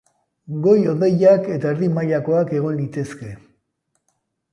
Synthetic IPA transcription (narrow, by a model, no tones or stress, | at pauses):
ɡo̞jo̞ðe̞jake̞t̪aeɾðimaʎako̞ake̞ɣ̞o̞nlit̪e̞ske̞